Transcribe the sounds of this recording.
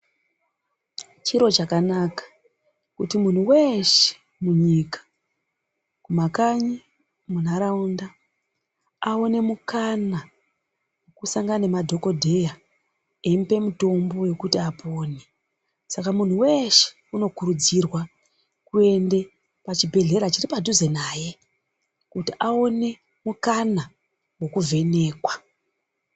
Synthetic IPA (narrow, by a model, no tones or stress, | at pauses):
t͡ʃiɾo̞t͡ʃakanakḁ | kutimun̤uwe̞ʃe̥ | muɲikḁ | kumakaɲi | munaɾaunda | ao̞ne̞mukana | kusaŋɡanemadʱo̞ko̞dʱe̞ja | empe̞muto̞mbo̞je̞kutiapoːne | sakamun̤uwe̞ʃe̥ | uno̞kuɾud͡zirwa | kue̞nde̞ | pat͡ʃibʱe̞ɮe̞ɾat͡ʃiripaduzenaːje̞ | kutiʔao̞ne̞ | mukana | wo̞kuvʱe̞ne̞ːkwa